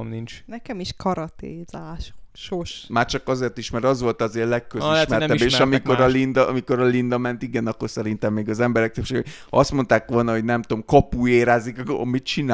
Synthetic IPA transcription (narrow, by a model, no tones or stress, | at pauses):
nint͡ʃnɛkɛmiʃkɒɾɒt̪ḛːzaːʃokʃoʃmaːrt͡ʃɒkɒzeːrt̪iʃmɛɾɒzʋo̞lt̪ɒzeːrlɛkːøziʃt̪mɛɛɛbːeːʃɒmikoɾɒlind̪ɒmiko̞ɾɒlind̪ɒmɛnt̪iɡɛnɒkːo̞rsɛɾint̪ɛmːeːɡɒzɛmbɛɾɛk̚t̪øpʃeːɡo | ɒst̪mo̞nt̪aːkʋo̞lnɒɦo̞ɟnɛmt̪o̞mkopuːeːɾaːzikkmit̪t͡ʃina